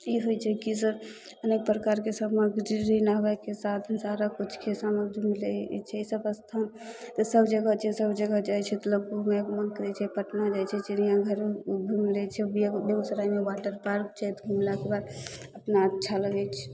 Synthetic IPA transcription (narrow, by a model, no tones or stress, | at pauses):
iɦojt͡ʃʰɛkisəb | ənek̚pɾəkaɾkesəməɡd͡ʒiɾinabakesat̪ʰsaɾakut͡ʃʰkʰesaməbʱimilɛt͡ʃʰɛisəbəst̪ʰant̪ɔsəbd͡ʒəɡat͡ʃʰɛsəbd͡ʒəɡad͡ʒajt͡ʃʰɛt̪ələɡumeɡmənkəɾɛt͡ʃʰɛpəʈnad͡ʒajt͡ʃʰɛt͡ʃʰɛnijãɡʱəɾbʱumlɛt͡ʃʰɛbibeusəɾaimebaʈəɾpaɾkt͡ʃʰajt̪bʱumlakebad̪əpnat͡ʃʰaləɡɛt͡ʃʰɛ̥